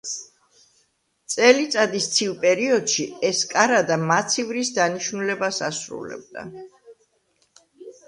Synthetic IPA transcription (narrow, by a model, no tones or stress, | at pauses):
t̪sʼɛlit̪sʼad̪ist̪sʰilˠpʼɛɾiɔd̪̥ʃiɛskʼaɾad̪amat̪sʰivɾisd̪aniʃnulɛbasasɾṵlɛ̰b̚d̪a̰